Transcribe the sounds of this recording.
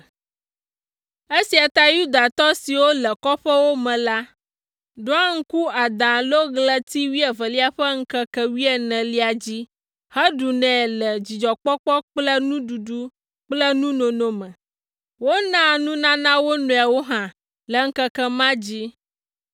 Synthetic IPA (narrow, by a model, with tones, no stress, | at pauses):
e˦si˨a˨t̪a˦ju˦d̪a˨t̪ɔ˦si˨wo˦lə˨kɔ˦ɸə˦wo˦mɛ̃˨la˦ | ɖo˦a˦ŋ̩˦ku˦a˨d̪ã˨lo˦ɣlə˦t̪i˦wi˦ɛ˨və˨li˦a˨ɸə˦ŋ̩˦kə˦kə˦wi˦ɛ˨nɛ̃˨li˦a˨d͡ʑi˦ | hɛ˦ɖu˨nɛ̃˨lə˨d͡ʑi˨d͡ʒɔ˨k͡pɔ˦k͡pɔ˦k͡plə˦nũ˦ɖu˨ɖu˦ | k͡plə˦nũ˦nõ˨nõ˨mɛ̃˨ | wo˦nã˦nũ˦nã˦nã˦wo˦nõ˨a˨wo˦ɦã˨ | lə˨ŋ̩˦kə˦kə˦mã˦d͡ʑi˦